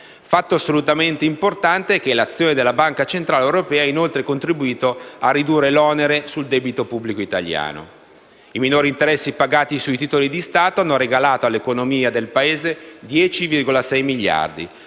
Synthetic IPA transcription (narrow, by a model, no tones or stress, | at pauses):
fat̪ːoasːolut̪ament̪eimport̪ant̪eɛk̟elat̪sːjoːned̪elːabaŋkat͡ʃent̪ɾaːleewɾopɛːainolt̪ɾekont̪ɾibuiːt̪oarːid̪uːrːelɔneɾesuld̪ɛbit̪opubːlikoit̪a̰ʎja̰ːno̰ | iminoːɾint̪eɾɛsːipaɡaːt̪isuit̪iːt̪olid̪ist̪aːt̪oanːoɾeɡalaːt̪oalːekonomiːad̪elpaeːzed̪jɛːt͡ʃivirɡolasɛjmiʎːa̰rd̪ḭ